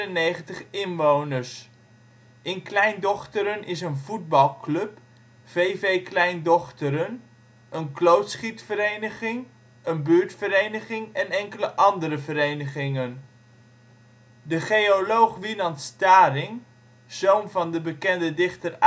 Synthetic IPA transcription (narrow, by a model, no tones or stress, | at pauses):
ənːejχəntəχɪnʋownəɹs | ʔɪnklɛjndɔχtəɾənɪsənvud̚bɑlˠklɵp | v̥ejvejklɛjndɔχtəɾən | ənklowtsχitfəɾejnəχɪŋ | ənbyːɹtfəɾejnəχɪŋɛnɛŋkələʔɑndəɾəvəɾejnəχɪŋən | dəχejolowχʋilɑntstaːrɪŋ | z̥ownvɑndəbəkɛndədɪχtər